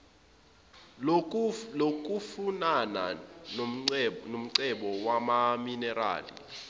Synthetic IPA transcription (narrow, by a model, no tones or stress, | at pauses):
ok̬ʼufunana̰ | nom̩ǀɛɓɔwamaminɛra̰ːlḭ